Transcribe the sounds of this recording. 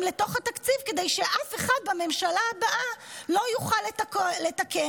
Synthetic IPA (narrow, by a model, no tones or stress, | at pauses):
mle̞t̪o̞χhat̪akt͡sivke̞d̪e̞jʃe̞ʔafe̞χad̪̚beme̞mʃalaːbaʔalo̞juχalːetkole̞t̪ake